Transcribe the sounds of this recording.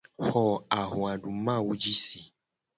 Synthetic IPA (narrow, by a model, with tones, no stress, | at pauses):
hɔ˨a˨ɦũ˨a˨ɖu˨˦mã˦˨wu˨˦d͡ʒi˦si˨